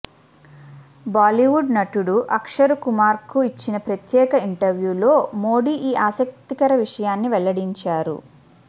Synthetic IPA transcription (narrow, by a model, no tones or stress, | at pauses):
baːliʋuɖnɐʈuɽuʔɐkʂɐɾukumaːɾkuit͡ʃːinɐpɾɐt̪jɛːkɐiɳʈɐɾʋjuːlo̞ːmo̞ːɽiːʔiːʔaːsɐk̚t̪ikɐɾɐʋiʂɐjaːnːiʋɛɭːɐɽiɲt͡ʃaːɾṵ